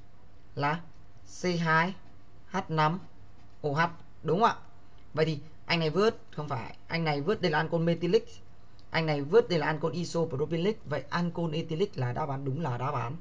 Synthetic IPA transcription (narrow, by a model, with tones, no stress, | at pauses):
laː˨˩ | se˧ɦaː˧j | haː˦˥t̚na˧m | ʔo˨˩ɦa˨˩t̚ | ɗʊ˨˦ŋ͡mʔa̰ː˧˨ʔ | və̰˧˨jt̪ʰi˨˩ | ʔa˧jŋ̟na˨˩jvɨ˦˥ət̚xə˧wŋ͡mfaː˧˩jʔa˧jŋ̟na˨˩jvɨ˦˥ət̚ɗə˧jlaː˨ʔːnko˧nme˧t̪i˧lï˦˥k̚ | ʔa˧jŋ̟na˨˩jvɨ˦˥ət̚ɗə˧jlaː˨˩ʔaː˧nko˧nʔi˧so˧˨˩ɾo˧˩ɓi˧li˦˥k̚və̰˧˨jʔaː˧nko˧nʔe˧t̪i˧li˦˥k̚laː˨˩ɗa̰ː˧˦wɓaː˨˦nɗʊ˨˦ŋ͡mlaː˨˩ɗaː˨˦ɓaː˨˦n